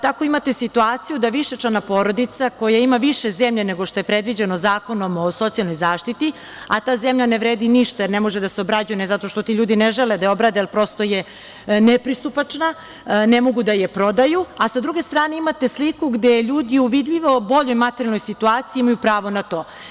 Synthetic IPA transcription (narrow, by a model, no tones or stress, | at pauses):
t̪ako̞imat̪e̞sit̪uaːt̪sijud̪aʋiʃet͡ʃlanapo̞ːɾo̞d̪it̪sako̞jaimaʋiʃezemʎeneɡo̞ʃt̪oepɾed̪ʋid͡ʑenozaːko̞no̞moso̞t̪sijalno̞jzaːʃt̪it̪i | at̪aːzemʎaneʋɾeːd̪iniʃt̪ajeɾnemo̞ʒed̪aseobɾad͡ʑujenezat̪o̞ʃt̪o̞t̪iʎuːd̪ineʒeled̪ajo̞bɾad̪ejlpɾo̞st̪o̞je | nepɾist̪upat͡ʂna | nemo̞ɡud̪ajepɾo̞d̪ajuasad̪ɾuɡe̞st̪ɾaːne̞imat̪e̞slikuɡd̪ejʎuːd̪iuʋid̪ʎiʋo̞bo̞ʎojmat̪eɾjalˠnojsit̪uaːt̪siːimajupɾaːʋo̞nat̪o̞ː